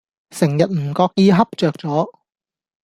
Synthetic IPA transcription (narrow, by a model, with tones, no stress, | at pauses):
sɪ˨˩ŋjɐ˨t̚m̩ː˨˩kɔː˧k̚jiː˧ɦɐ˥p̚t͡ʃœː˨k̚t͡sɔː˨˥